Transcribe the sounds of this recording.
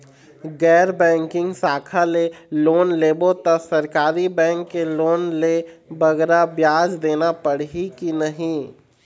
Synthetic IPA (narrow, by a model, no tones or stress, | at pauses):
ɡɛːɾbɛ̃ːŋkɪ̃ŋɡsaːkʰaleloːnleːbot̪əsəɾkaːɾibɛ̃ːŋkːeloːnlebəɡɾabjaːd͡ʒd̪eːnapəɽ̤ɦikinəɦĩ